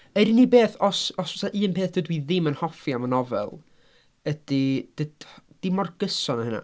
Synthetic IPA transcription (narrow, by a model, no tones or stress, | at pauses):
əɾinibeːθɔsɔsɔsaʔɨːnpʰeːθd̥ədwiðɪmənhɔfjamənɔvɛ̰lˠ | əd̥id̥əd̥d̥imɔrɡ̥əsɔnaəna̰